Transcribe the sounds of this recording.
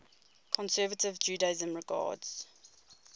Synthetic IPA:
kʰɔ̃nsɛːvətɪvd͡ʒuːdezə̃mɹɪɡɑ̰ːdz̥

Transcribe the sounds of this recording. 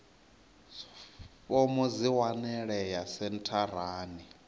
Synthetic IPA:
fɔmɔziwanɛɺɛjasɛntʰar̤aːni

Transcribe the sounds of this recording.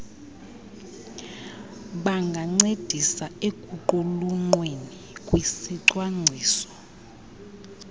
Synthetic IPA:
ɓaŋɡʱaŋ͡ǀed̥ʱisaekʼuǃɔluŋ͡ǃweni | kʼwisiǀwaŋ͡ǀʱiːsɔ̥

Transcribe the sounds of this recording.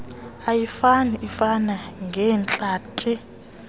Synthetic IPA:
ajifaniifanaŋɡʱɛːnt͡ɬʼaːtʰʼi

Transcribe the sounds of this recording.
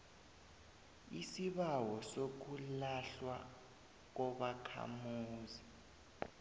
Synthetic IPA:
isiɓawɔsok̬ulaɬwa̰ | k̬ɔɓakʰa̰muːzi

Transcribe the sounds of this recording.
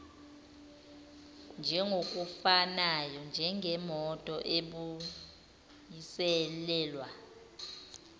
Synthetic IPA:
nd͡ʒʱɛŋʱok̬ʼufanajɔnd͡ʒʱɛŋʱɛmɔtʼɔʔeɓu | jisɛlɛːlwa

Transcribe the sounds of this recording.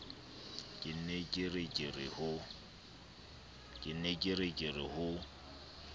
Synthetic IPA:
kʼɪn̩ɛkʼɪrɪkʼɪrɪhʊ | kʼɪn̩ːekʼɪɾɪkʼɪrɪhʊ

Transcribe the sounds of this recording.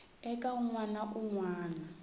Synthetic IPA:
ɛkʼauŋwanaʔuŋwaːna

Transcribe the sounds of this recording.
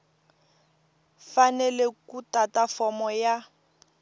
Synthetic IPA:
fanɛlekutatafɔmɔja

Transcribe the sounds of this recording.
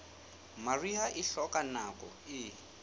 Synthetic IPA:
mariɦaʔɪɬɔkʼanakʼɔ̰ɪ

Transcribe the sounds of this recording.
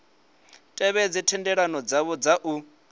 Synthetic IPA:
tʼɛβɛd͡zitʰɛndɛɺanɔd͡zaβɔd͡zaʔu

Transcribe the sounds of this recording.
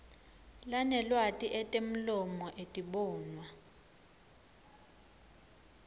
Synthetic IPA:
lanɛlwatʼiʔɛtʼem̩lɔmɔʔetʼiɓɔːnwa

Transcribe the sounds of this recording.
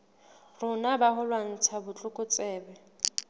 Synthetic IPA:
rʊnabaɦʊlwan̩t͡sʰabʊt͡ɬʼʊkʼʊt͡sʼɛːbɛ

